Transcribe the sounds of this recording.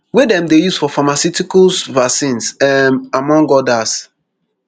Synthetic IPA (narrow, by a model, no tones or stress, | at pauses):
wedɛ̃mdejusfɔfamasjutikɔsvasĩnsɛmamɔ̃ŋɡɔdas